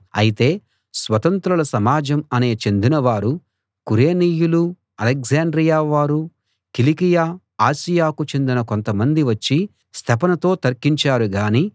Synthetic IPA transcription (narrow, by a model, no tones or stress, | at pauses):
ɐ̰jit̪e̞ː | sʋɐt̪ɐnt̪ɾɐlɐsɐmaːd͡ʒɐmɐne̞ːt͡ʃe̞nd̪inɐʋaːɾu | kuɾe̞ːniːjulu | ɐlekzaːɳɖɾijaːʋaːɾu | kilikijaː | aːsijaːkut͡ʃe̞nd̪inɐko̞nt̪ɐmɐnd̪iʋɐt͡ʃːi | st̪ʰɐpɐnɐt̪o̞ːt̪ɐɾkiɲt͡ʃaːɾuɡaːniː